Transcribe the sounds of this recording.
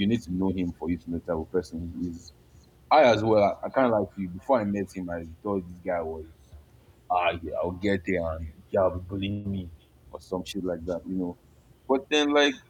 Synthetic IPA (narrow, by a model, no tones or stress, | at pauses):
jɨnid̚tʰunoɦĩmfɔjutunotʰabəpɜ˞sə̃niiz | aɪazwɛlaaɪkãɪ̃nlaɪkfjubifɔaɪmɛthĩmaɪθɔðɪsɡaɪwɔz | aa̰ɪwɡɛt̚ɛãnkaɪlbibulĩmi | ɔsɔ̃mʃitlaɪk̚ðatjɨno | b̥ɔt̚ðɛ̃nlaɪk